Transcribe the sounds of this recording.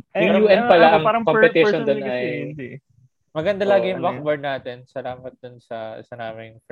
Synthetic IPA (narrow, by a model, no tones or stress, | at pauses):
jʊŋjuːʔɛnpɐlaʔɐŋɾɐkompɛt̪ɪʃond̪onʔɐj | mɐɡɐnd̪ɐlaːɡɪjʊŋbakbɐɹd̪naːt̪ɛnsɐlaːmɐt̪̚d̪̥ʊnsɐɪ̰sɐnaːmɪŋf